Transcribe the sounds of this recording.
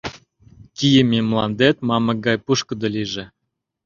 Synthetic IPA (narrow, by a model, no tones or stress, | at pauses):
kʲijəmʲimlˠɑ̰nd̪et̪mɑmɤ̆ɡɑjpuʃkə̆d̪ŏliʒĕ